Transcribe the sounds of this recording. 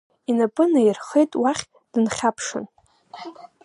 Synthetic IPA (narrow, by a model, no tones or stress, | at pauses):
inapʼɨnajɪrχejtʼwaχʲ | d̥ɨnχʲapʰʂɨ̰n